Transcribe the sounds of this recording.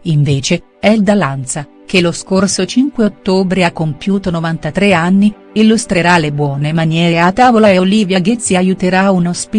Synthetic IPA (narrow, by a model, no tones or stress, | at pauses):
iɱveːt͡ʃe | ɛld̪alant̪sa | k̟eloskorsot͡ʃiŋkweot̪ːoːbɾeakːompjuːt̪onovant̪at̪ɾeanːi | ilːust̪ɾeɾalebwɔːnemanjɛːɾeat̪ːaːvolaeoliːvjaɡet̪sːiajut̪eɾaunospi